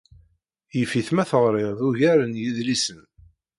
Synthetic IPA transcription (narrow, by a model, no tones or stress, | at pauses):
jəfiθmæθəʁɾˤɪʁðuʝæɾənjiðlisən